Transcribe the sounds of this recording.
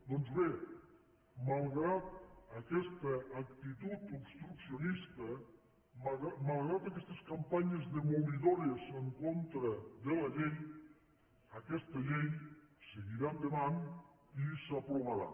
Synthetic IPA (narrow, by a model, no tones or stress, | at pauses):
d̪ɔnzβe | malˠɣɾat̪̚əkɛst̪əːk̚t̪it̪ut̪upst̪ɾuksionist̪ə | malˠɣɾat̪akɛst̪əskampaɲəzðemoβiðɔɾiesəŋkont̪ɾəðəlɐʎej | əkɛst̪əʎejseɣiɾamd̪enan | isapɾoβaɾa̰